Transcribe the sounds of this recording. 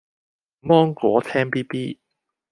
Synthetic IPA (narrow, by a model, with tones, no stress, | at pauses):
mɔː˥ŋkɔː˨˥t̪ʰɛː˥npiː˥piː˥